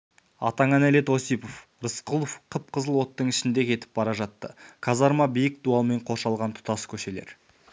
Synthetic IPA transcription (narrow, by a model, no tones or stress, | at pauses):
ɑ̰t̪ɑɴænæle̞t̪osijpof | rəsqulˠofqʰəp̚qʰəzəlˠwo̞t̪ːəɴɪʃɪnd̪e̞kʲʰe̞t̪ɪ̥p̚bɑɾɑʒɑt̪ːə̰kʰɑzɑɾmɑbijɪk̚d̪uɑlˠme̞ɴqʰo̞ʃɑlˠʁɑnt̪ʰʊ̥t̪ɑskʲʰɵʃe̞le̞̰ɾ